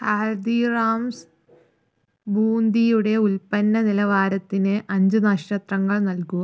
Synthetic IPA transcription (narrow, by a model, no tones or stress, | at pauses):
haːɻd̪iraːms | bʱuːnd̪ʱijuɽe̞ulpɐnːɐnilɐʋaːɾɐt̪ːinɨʔɐɲd͡ʑɨnɐʂʈɐt̪rɐŋːɐɭnɐlkuɐ